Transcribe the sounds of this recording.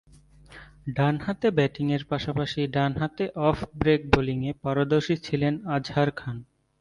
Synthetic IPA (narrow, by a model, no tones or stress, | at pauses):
ɖanhat̪ebɛʈiŋeɾpaʃapaʃiɖanɦat̪eʔɔfbɾek̚boliŋepaɾod̪oɾʃit͡ɕʰilenad͡ʑhaɾkʰan